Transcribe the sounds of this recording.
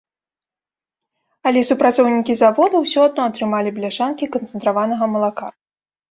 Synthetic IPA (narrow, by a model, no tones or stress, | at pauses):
ɐlʲɛsupɾat̪sɔwnʲikʲizavɔd̪ɐwsʲɔad̪̚nɔɐt̪ɾɨmalʲiblʲaʂankʲikɐnt̪sɛnt̪ɾavanɐɣɐmɐlˠaka̰